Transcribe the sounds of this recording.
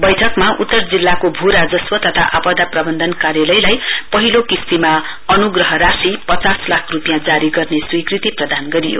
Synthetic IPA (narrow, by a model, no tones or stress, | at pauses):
bʌjʈʰʌkmaʔut̪ːʌrd͡zilːakobʱuɾad͡zʌswʌt̪ʌt̪ʰa̰ʔapʌd̪aprʌbʌnd̪ʱʌnkaɾjalʌjlajpʌɦilokistima | ʌnuɡrʌɦʌɾasipʌt͡saslakʰrupijãd͡zaɾiɡʌrneswikrit̪iprʌd̪anɡʌɾijo̰